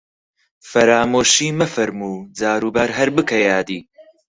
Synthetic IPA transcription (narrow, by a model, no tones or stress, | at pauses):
fɐɾaːmoːʃiːmɐfɐɾmuːd͡zaːɾuːbaːɾɦɐɾbɨkʰɐjaːd̪iː